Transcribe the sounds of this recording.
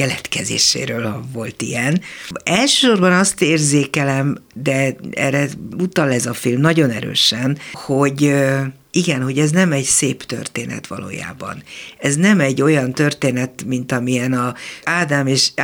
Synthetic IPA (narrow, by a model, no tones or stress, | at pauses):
kɛlɛt̪kɛzḛːʃḛːɾøːlhɒvo̞lt̪ḭɛnɛlʃø̥ːʃorbɒnɒst̪eːrzeːkɛlɛmd̪ɛɛ̰rːɛut̪ɒlɛzɒfilmnɒɟo̞nɛɾø̰ːʃɛnho̞ɟ | iɡɛnɦo̞ɟɛznɛmɛɟseːpt̪ø̰rt̪eːnɛ̰t̪ʋɒ̰lo̰ːja̰ːbɒ̰nɛznɛmɛɟːo̞jɒnt̪ørt̪eːnɛt̪mint̪ɒmiɛnɒaːd̪aːmeːʃ